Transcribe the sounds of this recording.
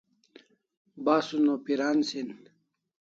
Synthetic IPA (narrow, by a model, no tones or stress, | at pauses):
baːsunopiɾaːnsin